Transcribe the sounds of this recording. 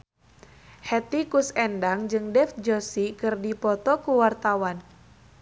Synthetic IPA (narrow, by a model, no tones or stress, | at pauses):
hɛt̪ikusɛndaŋd͡ʒɨŋdɛfd͡ʒosikɨrdipɔt̪ɔkuwart̪awan